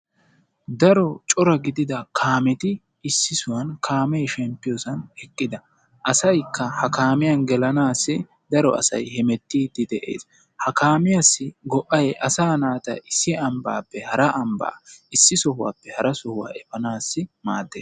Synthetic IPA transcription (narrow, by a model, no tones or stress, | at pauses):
d̪ɐɾɔt͡ʃʼɔɾɐɡɪd̪ɪd̪ɐkʰaːmɛt̪ɪː | sːɪsʊwɐnkʰaːmɛjʃɛmpːɪjɔsɐnɛkʼːɪd̪ɐ | ʔɐsɐjkːɐhɐkaːmɪjɐnɡɛlɐnaːsːɪ | d̪ɐɾɔ̰ɐ̰sɐ̰jhɛmɛt̪ːid̪ɪd̪ɛʔḛːs | hɐkaːmɪjasːɪɡɔʔɐjʔɐsaːnaːt̪ɐ̰ʔɪsːɪɐmba̰ːpːɛhɐɾɐʔɐmba̰ːɪsːɪsɔɦʊwa̰ːpːɛhɐɾɐsɔhʊwa̰ːɛfɐnaːsːɪmaːd̪ːeːs